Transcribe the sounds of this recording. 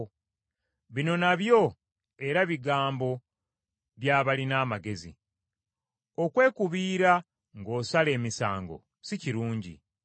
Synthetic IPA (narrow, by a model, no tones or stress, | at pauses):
βino̞naβjo̞ | e̞ɾaβiɡaːmbo̞ | βjaːβalinaːmaɡe̞zḭ | o̞kwe̞ːkuβiːɾa | ŋɡo̞ːsale̞ːmisa̰ːŋɡo̞̰ | siciɾuːɲɟḭ